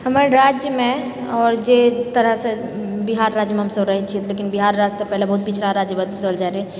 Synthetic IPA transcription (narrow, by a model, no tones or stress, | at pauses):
ɦɐmaɾɾaːd͡ʒjəmẽ | ɔːɾd͡ʒet̪əɾəɦsebiɦaːɾːaːd͡ʒjəmẽɦɐmsəɾɐɦit͡ʃʰit̪ʰleːkɪnbiɦaːɾːaːd͡ʒt̪epɛɦlebɐɦʊt̪̚bit͡ʃʰɾaɾaːd͡ʒjəbəd̪bəd̪əld͡ʒaːɾe